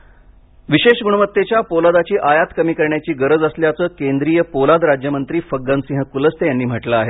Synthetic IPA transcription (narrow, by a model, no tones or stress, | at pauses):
ʋiɕeɕɡuɽɳəʋət̪ːet͡ɕjapolad̪at͡ɕiːʔajat̪kəmiːkəɾɳjat͡ɕiːɡəɾəd͡zəsljat͡səːkend̪ɾiːjəpolad̪ɾad͡ʑjəmənt̪ɾiːfəɡːansĩɦəkuləst̪ejanːiːm̤əʈləaɦet̪